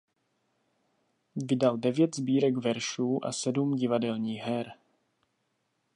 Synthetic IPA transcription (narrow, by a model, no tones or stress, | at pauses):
vɪdaldɛvjɛt̪zbiːɾɛɡvɛɾʃuːʔa̰sɛdumɟɪvadɛlɲiːxɦɛɾ